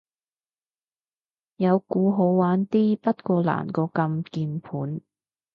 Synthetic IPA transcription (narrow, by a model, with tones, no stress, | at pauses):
jɐ˨˧wkuː˨˧ɦo˨˧wwaː˨˥nt̪iː˥pɐ˥t̚kɔː˧la̰ː˨˩nkɔː˧kɐ˧mkiː˧npʰuː˨˥n